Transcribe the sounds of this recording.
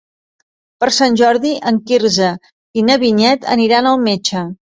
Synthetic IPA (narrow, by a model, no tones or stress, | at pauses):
pəɾsanʲʒɔɾðiʔəŋkiɾzə | inəβiɲɛt̪ə̰niɾanəlˠmet͡ʃə